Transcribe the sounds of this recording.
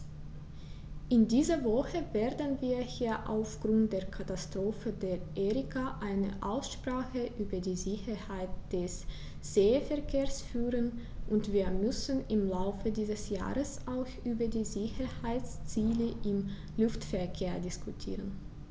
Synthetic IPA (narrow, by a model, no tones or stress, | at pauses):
ʔɪndiːzɐvɔxəveːɐdn̩viːɐhiːɐʔa̰ʊfɡ̥ʁʊnt̚d̥eːɐkʰatastʁ̥oːfədeːɐʔeːʁɪkʰaʔaɪnə̰ʔaʊsʃpʁ̥aːxəʔyːbɐdiːzɪçɐhaɪtd̥ɛs | z̥eːəfɛɐkʰeːɐsfyːʁən | ʔʊntv̥iːɐmʏsn̩ɪmlaʊfədiːzəsja̰ːʁəsʔaʊxʔyːbɐdiːzɪçɐhaɪt͡st͡siːləʔɪm | lʊftfɛɐkʰeːɐdɪskʰutʰḭːʁən